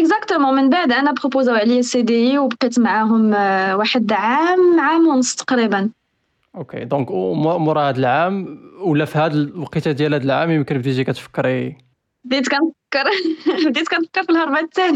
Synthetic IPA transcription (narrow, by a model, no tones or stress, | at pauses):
ʔəkzækt̪əmɑmənbaʕd̪ʔænæbʁopozawʕliæsed̪ijiwbqit̪mʕaɦʊmwaħəd̪ʕamːʕamʊnəst̪ɑ̥qɾibən | ʔokḛd̪ɔ̃kmmʊɾˤɑhəd̪əlʕamwlːæfihæd̪əqit̪æd̪jælhæd̪əlʕamjəmkənbd̪iʒikæt̪fə̥kːəɾi | bd̪it̪kænfəkːəɾˤbd̪it̪kænfə̥kːəɾfilhɑɾˤbæt̪ːæni